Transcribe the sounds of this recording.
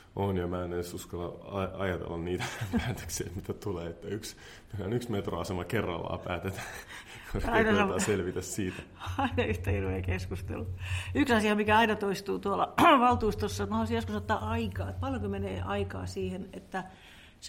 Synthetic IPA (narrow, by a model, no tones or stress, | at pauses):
ʔonjɑmæːnesuskɑlːɑɑɑjɑt̪ḛlːɑnniːt̪æpæːt̪ø̥ksḛːmit̪æt̪uleːet̪ːæyks | ilænyksmet̪ro̰ɑsemɑkerːɑ̰lːɑ̰ːpæːt̪et̪æː | koɑinɑsɑmɑselʋit̪æssiːt̪æ | ɑinɑyht̪æirʋeːkeskust̪ḛlːuyksɑsiɑmikæɑinɑt̪oist̪uːt̪uolɑʋɑlt̪uːst̪osːɑmhɑoˑsijjoskusot̪ːɑːʔɑikɑːet̪̚pɑljoŋkomeneːʔɑikɑ̰ːsiːhenet̪ːæ | s